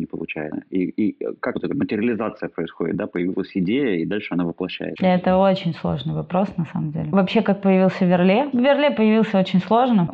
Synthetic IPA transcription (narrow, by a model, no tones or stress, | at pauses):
nʲɪpəlˠʊ̰t͡ɕæ̰jɪəiikakvot̪ɛt̪əmətʲɪɾʲɪlʲɪzat̪sɨjəpɾəɪsxodʲɪt̪̚d̪apəjɪvʲilˠəsʲɪdʲejəid̪alʲʂɨɐnavɨplˠɐɕːæ̰jɪ̰t̪d̪aɛt̪əo̞t͡ɕɪnʲslˠo̞̰ʐnɨjvɐpɾo̞snɐsa̰məmdʲḛlʲɪvɐpɕːe̞kak̚pəjɪvʲilˠsʲəvʲɪrlʲevʲɪrlʲepəjɪvʲilˠsʲəo̞t͡ɕɪnʲslˠo̞ʐnə